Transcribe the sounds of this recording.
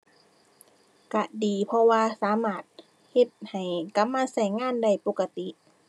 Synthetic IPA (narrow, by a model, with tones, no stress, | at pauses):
ka˧˩diː˨˩pʰɔ˧waː˧saː˨˦maː˧˩t̪̚ | he˧t̪̚ha˨˩jka˧˥mːaː˧˨sa˧˩jŋaː˧˥˨nda˧˩jpo˧˩kːa˧t̪i˧˦ʔ